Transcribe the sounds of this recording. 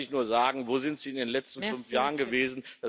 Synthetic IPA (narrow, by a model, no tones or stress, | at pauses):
ɪçnuːɐzaːɡŋ̩voːzɪntz̥iːɪndeːnlɛt͡stn̩fʏnfjaːʁənɡəveːzn̩d̥a